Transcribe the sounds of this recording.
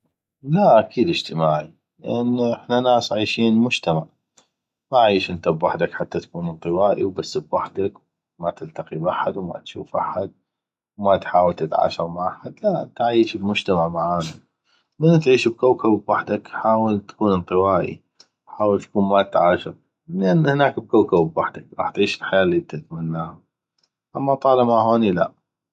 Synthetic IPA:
laʔakʰiːd̪ɪd͡ʒt̪əmaːʕi | lɪ̰ʔanːʔɪħnanaːsʕaːʃiːnmʊd͡ʒt̪amaʕ | maʕiːʃʔɪnt̪abwaħd̪akħat̪ːat̪ḁkuːnɨnt̪ˤɨwaːʔiwbasːbwaħd̪ak | mat̪ɪlt̪aqibʔaħad̪wma̰t̪ʃṵːfʔa̰ħad̪̚ | wmat̪ħaːwalt̪ɪt̪ʕa̰ːʃɑɾˤmaʕʔaħad̪laʔt̪ʕajːʃbmʊd͡ʒt̪amaʕmaʕaːna | mɪnːt̪ʕiːʃb̚kawkabbwaħd̪akħaːwalt̪ḁkuːnɨnt̪ˤɨwaːʔḭ | ħaːwalt̪kuːnmat̪ʕaːʃɪɾ | lʔanːhnaːkb̚kawkabbwaħd̪akɾˤɑːħt̪ʕiːʃɪlħajaːlːiːt̪ɪt̪manːaːha | ʔamːat̪ˤɑːlɪmaɦoːnila̰ʔ

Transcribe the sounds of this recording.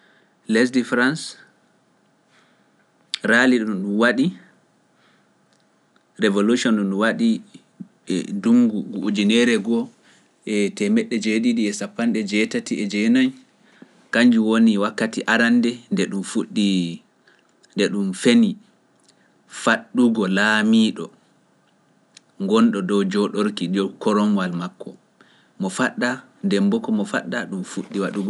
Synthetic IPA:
lɛs̬difɾans | ɾaliɗuɗumwaɗi | ɾevoluʃɔnɗunɗuwaɗi | duŋɡuɡuʔud͡ʒinɛɾɛɡɔ | ɛtɛmɛɗːɛd͡ʒeɗiɗiɛsapːanɗɛd͡ʒɛtatiʔɛd͡ʒɛnan | kaɲd͡ʒuwoniwakːatiʔaɾandɛndɛɗumfuɗːi | ndɛɗumfeni | faɗːuɡɔlaːmiːɗɔ | ŋɡɔnɗɔdɔwd͡ʒɔɗoɾkiɗɔkɔɾɔmwalmakːɔ | mɔfaɗːa | dɛmbɔkɔmɔfa̰ɗːaɗumfuɗːiwaɗuɡɔ

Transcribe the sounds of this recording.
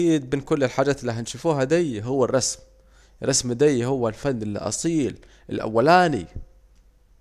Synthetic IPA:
iːd̪̚mɪnkʊlːɪlħaːd͡ʒaːt̪ɪlːiɦanʃʊfuːɦad̪ajɦʊwːarˤːɑsm | rˤɑsmd̪ajɦʊwːalfanːɪl̰ʔɑ̰sˤiːl | ɪlʔa̰wːalaːnḭ

